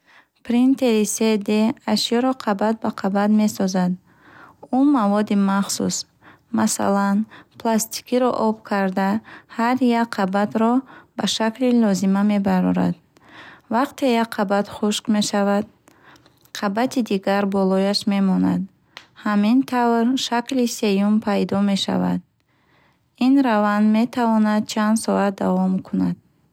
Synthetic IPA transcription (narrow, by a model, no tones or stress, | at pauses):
pɾint̪eised̪eaʃiɔɾɔqʰabat̪̚baqʰabat̪me̞sɔzad̪ | umavɔd̪imaχsus | masa̰lanpʰlast̪ʰi̥kʰiɾɔ̰ʔɔbkʰaɾd̪ahaɾjaqqʰːabat̪ɾɔbaʃaklilɔzimame̞baɾɔ̰ɾa̰d̪ | vaqt̪ʰe̞jaqʰːabat̪χuʃqme̞ʃavad̪̚ | qʰabat̪ʰid̪iɡaɾbɔlɔjaʃme̞mɔna̰d̪ | hamint̪ʰavɾʃaklise̞jumpʰajd̪ɔme̞ʃa̰va̰d̪̚ | inɾavand̪me̞t̪ʰavɔnad̪̚t͡ʃʰand̪sɔad̪avɔmkʰunad̪̥̚